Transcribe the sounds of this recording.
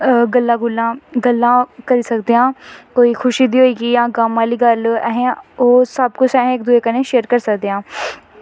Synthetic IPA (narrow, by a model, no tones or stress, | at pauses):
ɡəlːãːɡʊlːãːɡəlːãːkəɾiːsəkd̪eãːkoːiːxʰʊʃiːd̪iːɦoːiːɡiːjãːɡaːmaːliːɡəlɛːɦẽːoːsəbkʊt͡ʃʰɛːɦẽk̚d̪uːeːkənẽːʃeːəɾkəɾsəkd̪eːãː